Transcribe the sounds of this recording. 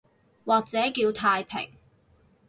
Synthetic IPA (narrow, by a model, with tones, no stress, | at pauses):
waː˨k̚t͡sɛː˨˥kiː˧wt̪ʰaː˧jpʰɪ̰˨˩ŋ